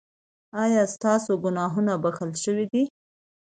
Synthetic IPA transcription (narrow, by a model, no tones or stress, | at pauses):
ɑjɑst̪ɑsoɡʊnɑɦunabaxəlʃəwid̪i